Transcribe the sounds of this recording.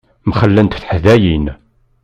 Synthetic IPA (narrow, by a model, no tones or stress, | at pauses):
mχəlːənt̪θħðæjin